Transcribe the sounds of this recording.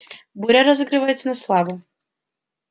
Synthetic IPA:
bʊɾʲɛɾɔzɪɡɾɪʋajet̪ʲt͡sʲsʲɐnɐslˠɑʋʊ

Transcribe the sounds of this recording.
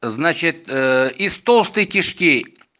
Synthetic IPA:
znat͡ɕɪt̪̚ɪst̪olˠst̪ɨjkʲɪʂkʲi

